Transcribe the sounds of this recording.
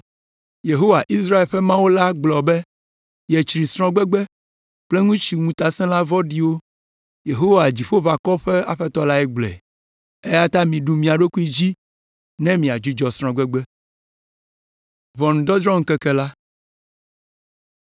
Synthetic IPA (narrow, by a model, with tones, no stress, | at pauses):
je˨ɦo˦wa˨ʔi˦s̬ɾa˦e˨lɸɛ˦mã˦wo˦la˦ɡ͡blɔ˨bɛ˦ | jɛ˨t͡ʃɾi˨sɾ̃ɔ̃˦ɡ͡bɛ˦ɡ͡bɛ˦ | k͡ple˦ŋũ˦t͡ɕi˨ŋũ˨t̪a˦sɛ̃˦la˦vɔ˦ɖi˦wo˦ | je˨ɦo˦wa˨d͡ʑi˨ɸo˦va˨kɔ˦ɸɛ˦a̰˦ɸɛ˦t̪ɔ˦la˦ɛ˦ɡ͡blɛ̰˨ | e˦ja˦t̪a˦mĩ˨ɖu˨mĩ˨a˨ɖo˦ku˦i˦d͡ʑi˦ | nɛ̃˦mĩ˨a˨d͡ʒu˦d͡ʒɔ˨sɾ̃ɔ̃˨ɡ͡bɛ˦ɡ͡bɛ˦ | vɔ˨nũ˨d̪ɔ˦d̪ɾɔ̃˦ŋ̩˨kɛ˦kɛ˦la˦